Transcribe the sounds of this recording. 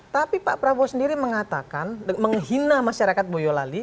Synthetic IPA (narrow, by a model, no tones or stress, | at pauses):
t̪apipaʔpɾabosəndiɾiməŋat̪akanməŋɦinamaʃaɾakat̪̚bojolali